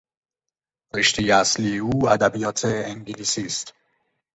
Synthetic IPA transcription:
reʃt̪ejeæsliːeuːæd̪æbijɒːt̪ʰeeŋɡilisiːst̪

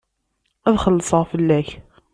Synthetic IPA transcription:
æðχəlːəsˤəʁfəlːæç

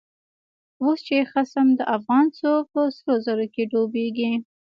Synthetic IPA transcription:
wost͡ʃexasamd̪əʔafɣɑnt͡sopəsəlozaɾokeɖobeɡi

